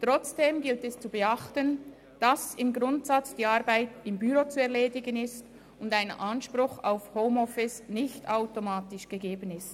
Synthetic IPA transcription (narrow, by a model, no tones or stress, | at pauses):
tʁ̥ɔt͡sd̥eːmɡɪltɛst͡subəaχtən | d̥asɪmɡʁʊntsat͡sd̥iːaɾbaɪtɪmbyɾot͡suɛɐʁleːdɪɡənɪst | ʊndaɪnəʔanʃpɾʊxaʊfhoʊmɔfɪsnɪçtaʊtomaːtɪʃɡ̥əɡeːbənɪst